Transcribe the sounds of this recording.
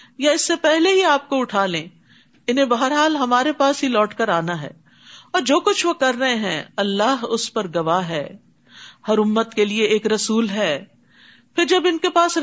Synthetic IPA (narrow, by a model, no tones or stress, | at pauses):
jaɪsːepɛɦleɦiaːp̚koʊʈʰaːlẽː | ɪnɦẽbɐɦəɾɦaːlɦɐmaːɾepaːsɦilɔːʈkɐɾaːnaɦɛ̰ː | ɔːɾd͡ʒoːkʊt͡ʃʰʋokɐɾːɐɦẽɦɛ̃ɐlːaːɦʊspɐɾɡɐʋaːɦɛː | hɐɾʊmːət̪kelieeːkɾɐsuːlɦɛː | pɪɾd͡ʒɐbɪnkepaːs